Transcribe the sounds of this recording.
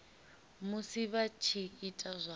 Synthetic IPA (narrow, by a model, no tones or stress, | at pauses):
musiβat͡ʃʰiːtʼazʷa